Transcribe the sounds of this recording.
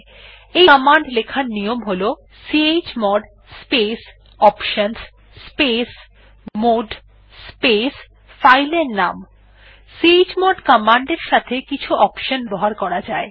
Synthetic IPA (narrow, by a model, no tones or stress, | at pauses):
ejɔmaɳɖlekʰaɾnijomɦolo | siet͡ɕmɔɖ | spes | ɔpʃəns | spes | moɖ | spes | fajleɾnam | sied͡ʑmɔɖkɔmaɳɖeɾʃat̪ʰekit͡ɕʰuʔɔpʃənbɔɦaɾkɔɾad͡ʑae